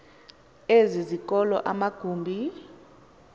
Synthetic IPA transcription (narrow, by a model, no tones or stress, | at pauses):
ezizikʼɔlɔ̰ʔamaɡ̥ʱuːmbʱi